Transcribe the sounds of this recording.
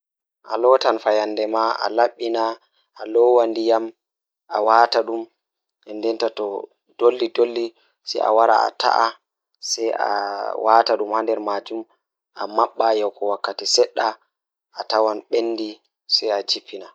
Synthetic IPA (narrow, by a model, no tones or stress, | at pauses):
ʔalɔtanfajanːdɛmaa̰laɓːina | ʔalɔwandijam | ʔawaːtaɗum | ɛndɛntatɔ | d̥olːidolːi | sɛ̰ja̰waɾa̰a̰ta̰ʔa | sɛja̰wataɗumhandɛɾmad͡ʒum | ʔa̰maɓːajɛwkɔwakːatisɛɗːa | ʔatawanɓenːdi | sɛjat͡ʃipʰːina